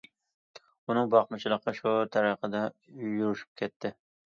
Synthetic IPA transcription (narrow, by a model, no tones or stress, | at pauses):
ʊnɪŋbɑqmʊt͡ʃʰɪlˠɨqʰːɑʃʊt̪ʰaɾɑqɑd̪ajʊɾɪʃɪ̥p̚kʲʰet̪ʰːɪ